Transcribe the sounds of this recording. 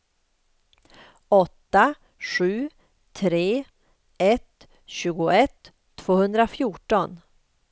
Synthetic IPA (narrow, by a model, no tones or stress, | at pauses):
ɔt̪ːa | ɧʉ̟ː | t̪ʰɾeː | ɛt̪ | ɕʉ̟ːɡʊʔɛt̪ʰː | voːhɵnd̪ɾafjuːʈɔn